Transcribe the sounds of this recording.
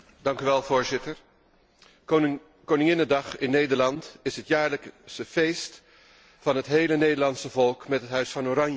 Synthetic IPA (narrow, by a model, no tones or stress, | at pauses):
dɑŋkyʋɛlˠvʊːɹzɪtəɹ | kownɪŋɪnədɑχɪnːejdəɹlɑntɪsɦətjaːɹləksəv̥ejst | fɑnɦətɦejlənejdəɹlɑnsəvɔlˠkmɛtɦətɦœɥsfɑnoːɾɑnjə